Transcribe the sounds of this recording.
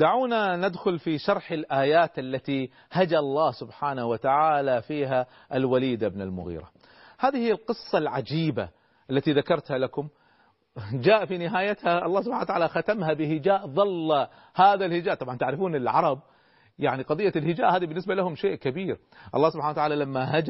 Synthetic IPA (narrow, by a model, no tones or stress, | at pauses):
d̪aʕuːnanad̪xʊlfiʃɑɾˤħɪlʔaːjaːt̪ʔalːat̪i | had͡ʒaɑlˤːɑːhsʊbħaːnahwat̪aʕaːlafiːɦa | ʔɪlwaliːd̪abɪnɪlmʊ̰ɣḭːɾa̰ | haːðihijːalqɨsˤːɑlʕad͡ʒiːba̰ | ʔalːat̪iðakɑɾˤt̪halakʊm | d͡ʒaːʔfinɪɦaːjat̪haɑlːɑːhsʊbħanwat̪aʕaːlaxat̪amɦabɪhɪd͡ʒaːʔðˤɑlː | haːðalhɪd͡ʒaːʔt̪ˤɑbʕɑnt̪aʕɾɪfuːnɪlʕɑɾˤɑb̚ | jaʕniqɑðˤɨjːalhɪd͡ʒaːʔhaːðibɪnːɪsbalahʊmʃeːʔkabiːɾ | ʔɑ̰lˤːɑːsʊbħanawat̪aʕaːlalamːaɦad͡ʒ